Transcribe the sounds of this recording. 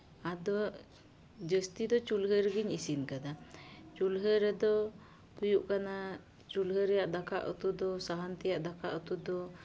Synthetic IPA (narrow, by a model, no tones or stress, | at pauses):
ad̪ɔ | d͡ʒəst̪id̪ɔt͡ʃulɦəɾəɡiɲisinkad̪at͡ʃulɦəɾɛd̪ɔ | pujuʔkana | t͡ʃulɦəɾɛjaʔd̪akʰaʔut̪ud̪ɔsaɦant̪ɛjaʔd̪akʰaʔut̪ud̪ɔ